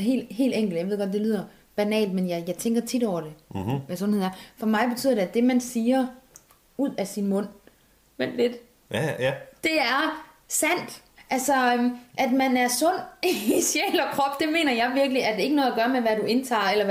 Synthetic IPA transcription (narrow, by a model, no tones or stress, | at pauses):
ɦe̝̰ːld̥ɦe̝̰ːldeŋɡ̥l̩jaɪʋe̝ðˠɡ̥ɒ̥d̥e̝lið̰ˠɐ | b̥ænɛ̰ːld̥menjɑ̈ɪjɑ̈ɪt͡sʰeŋɡ̥ɐt͡sʰid̥ɒʊ̰ɐɾ̥e̝ʋæsɔ̽nheð̰ˠɐfɒ̽mɑ̈ɪb̥e̝t͡sʰyð̰ˠɐde̝æd̥e̝mænsiːɐ | uð̞̰ˠæsinmɔ̽n̰ | ʋen̰dle̝d̥ | d̥e̝æɐ | sæn̰d̥ | ʔælsɒømʔæd̥mænæɐsɔ̽n̰isjeːlɒkʰʁɒ̽b̥d̥e̝me̝̰ːnɐjɑ̈ɪʋiɐɡ̥liæd̥ee̝ɡənɔ̽ðˠæɡ̥ɶɐmeʋæɾue̝nt͡sʰɑ̰̈ːelɐ